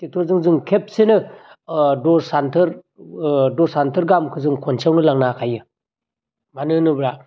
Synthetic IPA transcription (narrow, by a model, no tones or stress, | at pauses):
tek̚tʰɔɾzɯŋzɯŋkʰep̚senɯ | dɔsantʰɯɾ | dɔsantʰɯɾɡamkʰɯzɯŋkʰɔnsʰawnɯlaŋnakʰajɯ | banɯnɯbɾa